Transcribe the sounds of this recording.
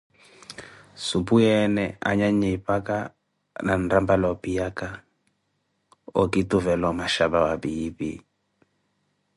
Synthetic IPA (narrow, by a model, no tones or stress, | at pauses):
supuɛnɛa̰ɲaɲipaka | nan̩rambalɔpijaka | ɔkituvɛlɔmaʃabawabibḭ